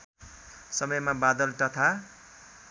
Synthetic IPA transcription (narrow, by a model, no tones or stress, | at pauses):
sʌmʌjmabad̪ʌlt̪ʌt̪ʰa